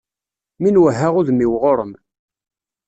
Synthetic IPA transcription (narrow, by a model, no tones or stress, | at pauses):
minwəɦːaʁʊðmiwʁoɾˤəm